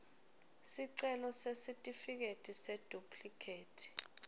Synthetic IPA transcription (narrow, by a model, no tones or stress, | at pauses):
siǀɛlɔsesitʼifik̬etʰised̥ʱupʼʰlikʰeːtʰi̥